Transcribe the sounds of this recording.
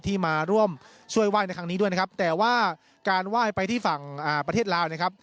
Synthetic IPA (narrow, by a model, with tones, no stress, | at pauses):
t̪ʰiː˥˩maː˧ɾu˥˩əm | t͡ɕʰu˥˩əjwaː˥˩jn˧jkʰa˦˥niː˦˥du˥˩jna˥kʰa˦˥p̚t̪ɛː˨˩waː˥˩ | kaː˧nwaː˥˩jpa˧jt̪ʰiː˥˩fa˨˩ŋʔaː˨˩pɾt̪ʰeː˥˩t̪̚laː˦˥wn˥˩kʰa˦˥p̚